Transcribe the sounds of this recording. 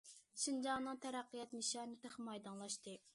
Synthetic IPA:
ʃind͡ʒɑŋnɨŋt̪ʰɛɾæqːijɛt̪miʃɑnɨt̪eχmɑjd̪ɑŋlˠɑʃt̪ɨ

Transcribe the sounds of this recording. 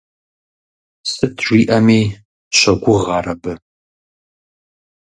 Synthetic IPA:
sɨtʰʒʷiːʔɐmiː | ɕɐɡʷʊʁɑːrɐbɨ

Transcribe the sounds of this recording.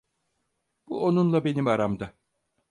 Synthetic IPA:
b̥uo̞nunlˠabe̞nimaɾamd̪a

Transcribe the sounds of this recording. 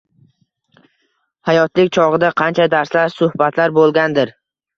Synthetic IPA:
hajɒt̪lɪkʲt͡ʃʰɒʁɨd̪aqʰɑnt͡ʃʰad̪aɾslaɾsʊhbat̪ʰlaɾbolˠɡʲand̪ɪɾ

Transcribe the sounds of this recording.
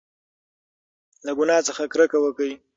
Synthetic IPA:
laɡʊnɑt͡səxakɾəkawəkəj

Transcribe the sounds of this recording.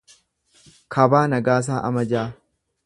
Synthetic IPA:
kʰɐbaːnɐɡaːs̬aːʔɐ̰mɐd͡ʒaː

